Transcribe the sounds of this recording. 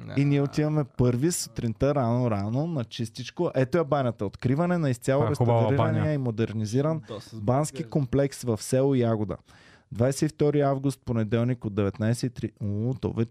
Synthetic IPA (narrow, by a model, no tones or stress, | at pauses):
iniɛot̪ivɐmɛpɤɾvisə̥t̪ɾint̪əɾanoɾanonɐt͡ʃist̪it͡ʃkoʔɛt̪oɛbanʲɐt̪ɐot̪kɾivɐnɛnɐist̪sʲalˠoɾɛsɾiɐniɛimod̪ɛɾniziɾənbansk̟ikomplɛksvɐfsɛlˠoiaɡʊd̪ə̰ | d̪vajsɛift̪ɔɾiavɡʊst̪̚ponɛd̪ɛlˠnikod̪ɛvɛt̪najsɛit̪ɾit̪o̰vɛ